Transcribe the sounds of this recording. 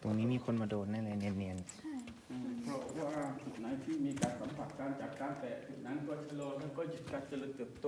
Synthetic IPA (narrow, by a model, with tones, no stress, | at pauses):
t̪o˧ŋniː˦˥miː˧˩kʰo˧˥nmaː˧doː˧˩t̪̚na˧˥˩lɛː˧˩ni˧nːi˧n | ʔpʰɾɔ˧˥ʔwaː˧˩t̪ʰu˧˩na˨˧˥jt̪ʰiː˥˩miː˧kaː˧nsa˨˦mpʰa˨˩t̪̚kaː˧˩nt͡ɕaː˨˩k̚kaː˧˥˨npɛː˨˩t̪ʰu˨˩k̚na˧˥˨kʰɔː˧˩˨t͡ɕʰa˧loː˧lɛː˧˥˩kɔː˧˩t͡ɕi˨˧˩t̪̚kaː˧nsa˧lɯ˧˩k̚t̪ɯ˨˩əp̚t̪o˧˨